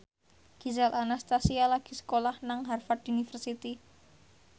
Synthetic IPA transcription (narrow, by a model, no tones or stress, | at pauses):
ɡ̥izalʔanast̪asialaɡ̥i̤sə̥kolahnaŋɦarfad̪unifərsit̪i